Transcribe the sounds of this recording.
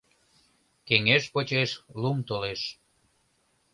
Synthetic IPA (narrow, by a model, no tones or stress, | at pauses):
keŋeʃpot͡ɕeʃlumt̪oleʃ